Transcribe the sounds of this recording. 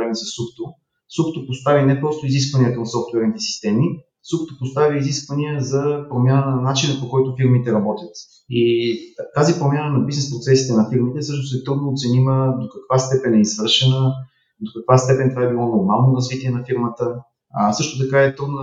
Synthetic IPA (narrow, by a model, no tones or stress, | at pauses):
ɾɛmɛsəsupt̪o | supt̪opost̪avinɛpɾɔst̪ʊizis̬kvɐniɛt̪onɐsɔft̪wɛɾnit̪ɛsi̥st̪ɛmi | supt̪opost̪aviiziskvəniəzɐpɾomʲjanənɐnat͡ʃinəpokɔjt̪ʊfiɾmit̪ɛɾɐbɔt̪ʲjət̪ | it̪azipɾomjanənɐbiznɛspɾot̪sɛsit̪ɛnɐfiɾmit̪ɛsɤʃt̪ʊsɛt̪ɾud̪noːt̪sɛniməd̪okɐkvast̪ɛpɛnɛizvɤɾʃɛnə | d̪okɐkvast̪ɛpɛnt̪vaɛbilˠɔnoɾmalˠnoɾɐzvit̪iɛnɐfiɾmət̪ə | sɤʃt̪ot̪̬ɐkaɛt̪ɾud̪nə